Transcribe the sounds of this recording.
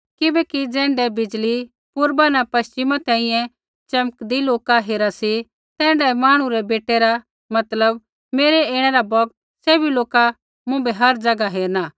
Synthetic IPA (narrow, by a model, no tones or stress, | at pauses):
kɪbɛkid͡zɛ̃ːɳɖɛbɪd͡ʒli | pʊɾbanapɐst͡ʃɪmãt̪ɛ̃ːĩjɛ̃ | t͡ʃɐməkd̪iloːkaɦeːɾasi | t̪ɛ̃ːɳɖɛmaːɽ̃ũɾɛbeːʈeɾa | mɐt̪ləb | meːɾɛeːɽ̃ɛɾabɔɡt̪ | sɛːbʱiloːka | mʊ̃bɛɦɐɾd͡ʒɐɡaɦeːɾnaː